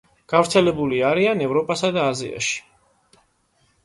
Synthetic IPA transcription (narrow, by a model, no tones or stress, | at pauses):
ɡ̥avɾt̪sʰɛlɛbuliaɾianɛvɾɔpʼasad̪aːzḭa̰ʃi̥